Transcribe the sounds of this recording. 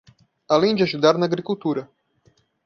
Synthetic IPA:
alinʲd͡ʒaʒud̪aɾnaɡɾikult̪uːɾa

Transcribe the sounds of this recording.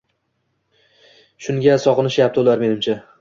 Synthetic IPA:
ʃʊŋɡʲasɒqɨnɪʃjap̚t̪ʰɪolˠaɾme̞nɪmt͡ʃʰa

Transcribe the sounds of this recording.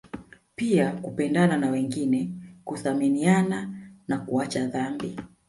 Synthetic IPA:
piakupɛndananawɛŋɡinɛkuθaminiananakuat͡ʃaðambi

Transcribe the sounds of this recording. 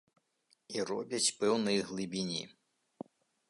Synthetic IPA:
irɔbʲjɐtʲpɛwnɪjɦlˠɪbʲinʲḭ

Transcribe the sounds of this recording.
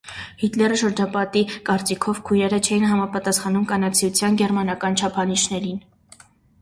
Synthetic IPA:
hit̪lɛrəʃəɾd͡ʒɑpɑt̪ikɑɾt͡sikʰɔvkʰujnɛɾət͡ʃʰɛjinɦɑmɑpɑt̪ɑsχɑnumkɑnɑt͡sʰjut͡sʰjɑnɡɛɾmɑnɑkɑnt͡ʃʰɑpʰɑniʃnɛɾin

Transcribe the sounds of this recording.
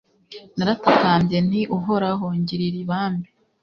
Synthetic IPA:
naɾatataːmbje̞n̥iʔuɦoɾaɦoɲɟiɾiɾiβaːmbe

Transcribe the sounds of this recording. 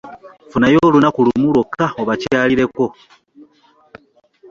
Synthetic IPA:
funajolunakulumulokʰaoβacaliɾe̞ko

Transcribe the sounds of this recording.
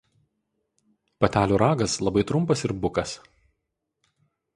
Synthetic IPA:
pɐt̪ʲæːlʲuːɾɑːɡɐslˠɐbɐɪt̪ɾʊmpɐsɪɾbʊkɐs

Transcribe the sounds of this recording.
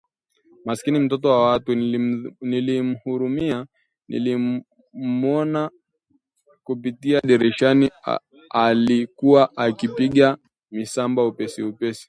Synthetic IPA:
maskinim̩t̬ɔt̬ɔwawatu | nilim̩huɾumia | nʔḭli | mɔna | kup̬itiaɗɛɾɛʃani | alikuwaʔakipiɠa | misambaupɛsiupɛsi̥

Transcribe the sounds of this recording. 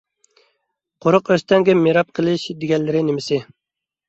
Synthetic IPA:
qʰoɾʊqøst̪ɛŋɡʲɛmeɾɑp̚qʰəlˠɨʃd̪eɡʲɛllːɪɾɪnɪmɪsɪ

